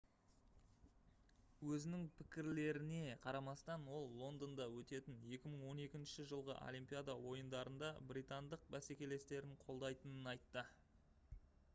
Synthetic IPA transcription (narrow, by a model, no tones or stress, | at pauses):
wɵzɪnɪŋpʰɪ̥kʲɪɾle̞ɾɪne̞qʰɑɾɑmɑst̪ɑnwo̞lˠːo̞nd̪ond̪ɑwɵt̪e̞t̪ɪnje̞kʲɪməɴwo̞ne̞kʲɪnʃɪʒəlˠʁə̰ʔo̰lʲijmpʲijad̪ɑwo̞jənd̪ɑɾənd̪ɑbɾʲijt̪and̪əq̚bæse̞kʲe̞le̞st̪e̞ɾɪɴqʰo̞lˠd̪ɑjt̪ənənɑjt̪ːə